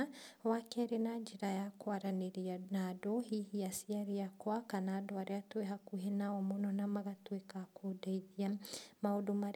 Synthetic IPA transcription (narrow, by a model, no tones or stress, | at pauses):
wakɛɾenad͡ʒiɾajakwaɾaneɾianadoɦihiasiaɾiakwakanaːdoaɾeatweɦakuɦenaɔmonɔnamaɣatwekakodaiðiamaodomaɾ